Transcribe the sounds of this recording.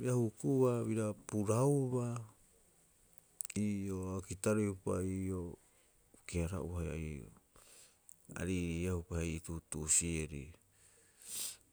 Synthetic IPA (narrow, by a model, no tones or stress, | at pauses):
biɾahukuβaβiɾapuɾauβa | ioakitaɾehupa̰io | keaɾa̰ʔuaja̰io̰ | a̰ɾiɾiahupahejitutusieɾḭ